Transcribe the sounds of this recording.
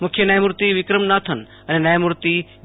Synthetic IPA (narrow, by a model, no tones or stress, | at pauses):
mʊkʰjenɐjmuɾt̪iʋɪkɾəmnaːt̪ʰən | ɐnenɐjmuɾt̪i